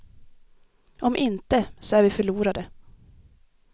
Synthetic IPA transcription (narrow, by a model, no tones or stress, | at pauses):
ʔɔmʔɪnt̪əsɔæːɾvɪfœɭuːɾad̪ə